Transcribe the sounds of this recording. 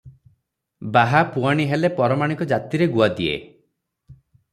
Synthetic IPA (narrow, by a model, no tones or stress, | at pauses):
baɦapuaɽ̃iɦelepɔɾɔmaɽ̃ikɔd͡ʒat̪iɾeɡuad̪iḛ